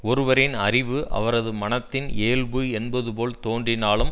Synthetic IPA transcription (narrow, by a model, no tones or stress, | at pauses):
ɔɾɯʋɐɾɪnɐrɪʋɯʔɐ̰ʋɐɾɐðɯmɐnɐt̪ːɪneːlbɯɛnbɐðɯpoːlt̪oːndrɪnaːlɯm